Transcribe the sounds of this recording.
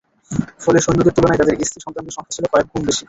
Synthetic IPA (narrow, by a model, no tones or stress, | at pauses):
foleʃojnːod̪iɾt̪ulonajt̪ad̪eɾist̪ʰiʃɔŋt̪ɾant̪oʃɔŋkʰat͡ɕʰilokɔek̚ɡʱumbeʃi